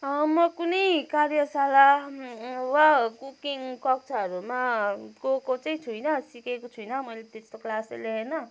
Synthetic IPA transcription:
ʌmʌkunʌjkaɾjʌsala | wakukiŋkʌk̚t͡sʰaʌɾumakokot͡saĩt͡sʰujnʌsikekot͡sʰujnʌmʌjlet̪est̪oklasaleɦenʌ

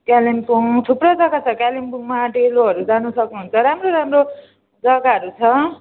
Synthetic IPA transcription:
kjalimkoʈʰuprʌd͡zʌɡat͡sʰʌkalimpuŋmaʈeloɦʌɾud͡zanusʌknuɦunt͡sʰʌɾamroɾamro | d͡zʌɡaʌɾut͡sʰʌ

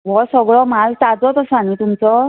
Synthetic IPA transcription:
ʋɔsəɡɭɔmalt̪ad͡zɔt̪əsəanit̪umt͡sɔ

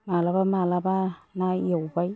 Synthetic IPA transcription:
malabamalabanaawbaj

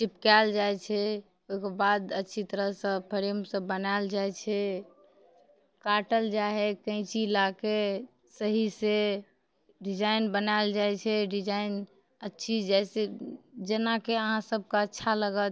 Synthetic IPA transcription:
t͡ʃipkald͡ʒajt͡ʃʰɛ | oikebad̪ətːʃʰit̪əɾəɦsə̃pʰəɾemsə̃bənaɪld͡ʒajt͡ʃʰɛ | kaʈəld͡ʒaɦekə̃ɪ̃t͡ʃilake | səɦise | ɖid͡ʒaɪnbənaeld͡ʒajt͡ʃʰɛɖid͡ʒaɪn | ətːʃʰid͡ʒɛjsed͡ʒenakeəɦãsəb̚ʱkaətːʃʰaləɡət̪̚

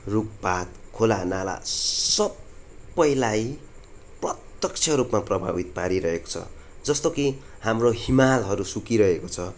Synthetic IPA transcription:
ruk̚pat̪kʰolanala̰sʌbːʌjlaj | prʌt̪jʌk̚t͡sʰʌɾupmaprʌbʱa̰bit̪paɾiɾʌɦeko̥t͡sʰʌ̰d͡zʌst̪okihamroɦimalɦʌɾusukiɾʌɦekot͡sʰʌ

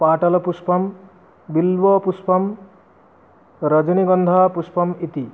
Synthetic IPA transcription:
paʈʌlɔpuspʌm | bilbɔpuspʌm | ɾʌd͡ʒʌniɡʌnd̪ʱapuspʌmit̪i

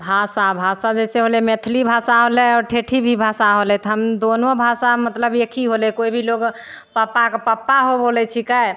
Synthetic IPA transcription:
bʱasabʱasad͡ʒɛseɦolɛmet̪ʰlibʱasaɦolɛɔɾʈʰeʈʰibʱibʱasaɦolɛt̪ɦəmd̪onobʱasamət̪ləbekʰiɦolɛkoibʱiloɡ | papːakepəpːaɦobolɛt͡ʃʰikaj

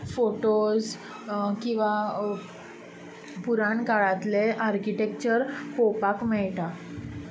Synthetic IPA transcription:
foʈoz | kĩw̃ʋa | puɾaɳkaɭãt̪leʔaɾkiʈekt͡ɕəɾpopakmɛɭʈa

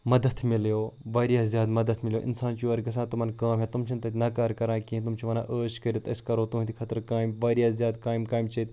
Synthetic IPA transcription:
mɐd̪ət̪ʰmɪljoːʋaːɾijaːzʲjaːd̪mɐd̪ət̪ʰmɪljo̰ːʔɪ̰nsaːnt͡ʃuːɐɾɡɐs̬ãːt̪umɐnkaːmɦet̪umt͡ʃʰint̪ɐt̪ʲnɐkaːɾkɐɾãːkiɦĩt̪umt͡ʃʰiʋɐna̰ːʔəːʃkɐɾot̪ɐskɐɾoːt̪uɦĩt̪ʰikʰɐt̪ɾkaːjmʋaːɾijaːzjaːd̪̚kaːimkaːjmt͡ʃɐt̪

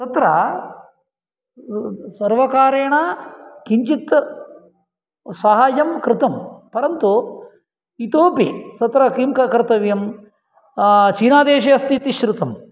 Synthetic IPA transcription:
t̪ɐt̪ɾɐ | sɐɾʋɐkaːɾeːɳakiɲt͡ʃit̪ | sɐɦaːjɐmkɾɪt̪ɐmpɐɾɐnt̪u | it̪oːpisɐt̪ɾɐkimkɐkɐɾt̪ɐʋjɐm | t͡ʃiːnaːd̪eːʃɐɐst̪it̪iʃɾut̪ɐm

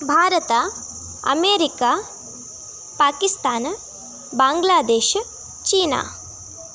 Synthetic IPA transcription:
bʱaːɾɐt̪a | ɐ̰meːɾikaː | paːkist̪aːn | bãːŋɡlaːd̪eːʃ | t͡ʃiːna̰ː

